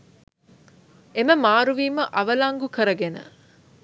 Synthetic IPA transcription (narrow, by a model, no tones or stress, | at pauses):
eməmaːɾuʋiːməʔɐʋəlaŋɡukəɾəɡenə̰